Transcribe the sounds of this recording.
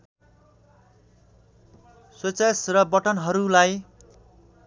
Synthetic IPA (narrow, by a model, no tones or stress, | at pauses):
swet͡sesrʌbʌʈʌnɦʌɾulaj